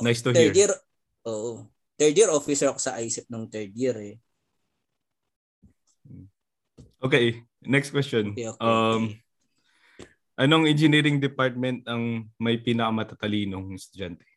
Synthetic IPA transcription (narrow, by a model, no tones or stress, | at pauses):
najst̪uɦiɹ | ʔoːʔo | t̪ɛɹd̪iɾʔofɪsɛɹkosɐʔajsɪp̚nʊŋt̪ɛɹd̪iɾɛ | ʔokej | nɛkst̪kwɛstt͡ʃonʔɐm | ʔɐnoɐŋɛnd͡ʒɪniːɾɪŋd̪ɪpaɹt̪̚mɛnt̪̚ɐŋmɐjpiːnɐkɐmɐt̪at̪ɐliːnoŋɪst̪ʊd͡ʒant̪ɛ̥